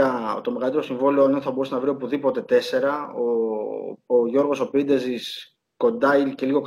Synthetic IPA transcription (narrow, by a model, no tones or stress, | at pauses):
ɐt̪o̞meɣɐlit̪eɾosiɱvolioenonθɐboɾusnɐvɾiopuðipo̞t̪e̞t̪e̞se̞ɾɐoː | ʝo̞ɾɣo̞so̞pind̪e̞zis | ko̞nd̪ɐice̞liɣo̞k